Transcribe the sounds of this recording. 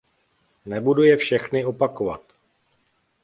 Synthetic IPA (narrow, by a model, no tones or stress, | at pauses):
nɛbudujɛfʃɛxnɪo̞pako̞va̰t̪